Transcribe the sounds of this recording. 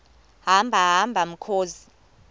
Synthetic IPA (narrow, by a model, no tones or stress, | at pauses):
ɦambʱaɦambʱam̩kʰoːzi